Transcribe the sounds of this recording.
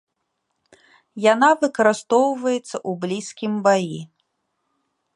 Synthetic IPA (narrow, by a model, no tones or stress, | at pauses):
janavɨkɐɾɨst̪ɔwvɐjɛt̪sːɐʔublʲiskʲimbaji